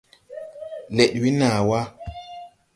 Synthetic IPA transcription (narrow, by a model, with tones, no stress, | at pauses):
le˨ɗwi˦naː˨wa˦